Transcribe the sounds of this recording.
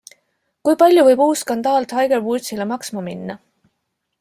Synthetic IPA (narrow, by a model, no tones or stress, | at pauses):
kujpɑlʲjuvɤjb̥uːsːkɑnd̪̥ɑːlt̪hɑjɡ̥erwut̪silemɑksmɑminːɑ